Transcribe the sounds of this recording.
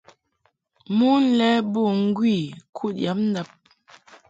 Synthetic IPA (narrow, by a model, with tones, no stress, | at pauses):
mu˦n̩˦lɛ˦bo˦˨ŋ̩˦ɡwi˦˨kʰu˦˨t̚ja˨˦p̚n̩˦da˦˨p̚